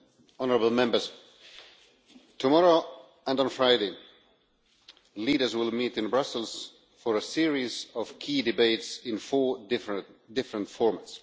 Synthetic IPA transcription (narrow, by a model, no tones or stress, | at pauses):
ɔnəɹəbl̩ˠmɛ̃mbə˞z | tʰumɔɹoʊ | ə̃nd̃n̩fɹaɪdeɪ | liːɾə˞zwɪlˠmiɾɨ̃nbɹʌsəl̩ˠz̥ | fɔɹəsiɹizɔv̥kʰiːdɨbeɪtsɪ̃nfɔɹdɪfdɪfɹə̃ntfɔɹmats